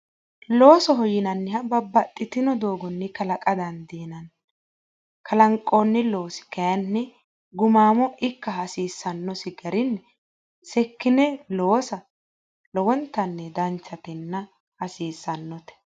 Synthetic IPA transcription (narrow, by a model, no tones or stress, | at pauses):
lo̞ːsɔɦɔjɪnɐnːɪhɐbɐbɐt̪ʼːɪt̪ɪnɔd̪o̞ːɡɔnːɪkɐlɐkʼɐd̪ɐnd̪iːnɐn | kɐlɐŋkʼːoːnːɪloːsɪ̥kɐjɐnːɪ | ɡʊmaːmɔʔɪkːɐhɐsiːsːɐnːɔsɪɡɐɾɪnːɛ | sɛkːɪnɛloːsɐ | lɔwɔnt̪ːɐnːɛd̪ɐnt͡ʃːɐt̪ɪnːɐ | hɐsiːsːɐnːɔt̪ɛ̥